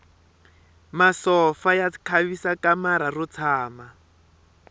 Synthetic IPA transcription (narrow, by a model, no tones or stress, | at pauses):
masɔfajakʰaβisakamaɾarut͡sʰaːma